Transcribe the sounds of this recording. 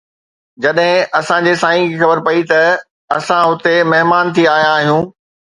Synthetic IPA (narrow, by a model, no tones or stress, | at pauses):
d͡ʑɐɗɦɪ̃ɐsãd͡ʑeːsaːĩkixɐbəɾpɐit̪ɐ | ɐsãɦʊt̪emɐɦmaːnt̪ʰiaːɦijãːɦijũː